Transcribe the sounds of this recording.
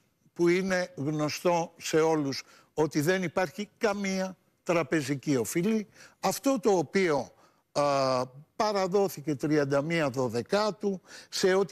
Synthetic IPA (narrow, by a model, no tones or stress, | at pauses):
puine̞ɣno̞st̪o̞se̞o̞lus | o̞t̪iðe̞nipɐɾçikɐmiɐ | t̪ɾɐpe̞zicio̞filiɐft̪o̞t̪o̞ːpio̞ | pɐɾɐðo̞θice̞t̪ɾiɐnd̪ɐmiɐðo̞ðe̞kɐt̪use̞o̞t̪